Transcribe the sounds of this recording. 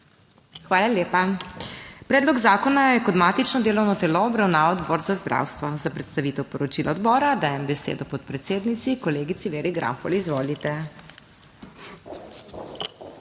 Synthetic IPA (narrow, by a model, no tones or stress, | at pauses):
xʋaːlaljeːpa | pɾɛːd̪lɔɡzaːkɔnajɛkɔd̪maːt̪it͡ʃnɔd̪eːlɔwnɔt̪ɛlɔːbɾawnaːʋɔd̪bɔːɾzazd̪ɾʔa̰wst̪ʋɔzapɾɛt̪st̪aʋiːt̪ɛwpɔɾɔt͡ʃilaɔd̪bɔːɾad̪aːjɛmbɛsḛːd̪ɔpɔt̪pɾɛt̪seːd̪nit̪sikɔleːɡit̪siʋeːɾiɡɾa̰mpɔlizʋoːlit̪ɛ